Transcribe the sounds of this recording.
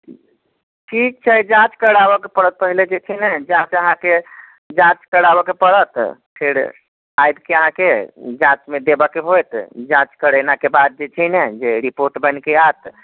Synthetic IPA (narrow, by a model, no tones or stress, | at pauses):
ʈʰik̚t͡ʃʰɛd͡ʒãt͡ʃkəɽabɔkepəɽət̪̚pəɦiled͡ʒet͡ʃʰənɛd͡ʒãt͡ʃəɦãke | d͡ʒãt͡ʃkəɽabɔkepəɽət̪pʰeɾ | ajd̪keəɦãked͡ʒãt͡ʃmed̪ebəkeɦojt̪d͡ʒãt͡ʃkəɽənakebad̪̚d͡ʒet͡ʃʰənɛd͡ʒeɾipoɾʈbənkeat̪